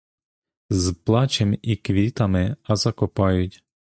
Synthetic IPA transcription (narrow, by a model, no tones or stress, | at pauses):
zplˠɑt͡ʃɛmikʋʲit̪amɪɐzakɔpɑjʊtʲ